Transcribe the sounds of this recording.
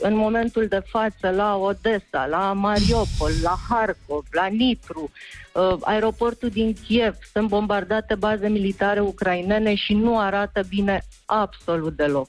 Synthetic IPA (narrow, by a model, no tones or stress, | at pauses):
ɨnmo̞me̞nt̪uld̪e̞fat̪səlao̞d̪e̞sa̰lamaɾio̞po̞lːaharko̞vlanipɾu | a̰e̞ɾo̞po̞rt̪ud̪iŋkʲie̞v̥sunt̪̚bo̞mbard̪at̪e̞baze̞milit̪aɾe̞ukɾaine̞ne̞ʃinuaɾat̪əbine̞abso̞lut̪̚d̪e̞lo̞k